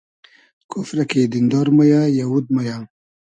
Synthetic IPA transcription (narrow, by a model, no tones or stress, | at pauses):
kʰofɾaked̪ɪnd̪ɑɾməjajawud̪̚maja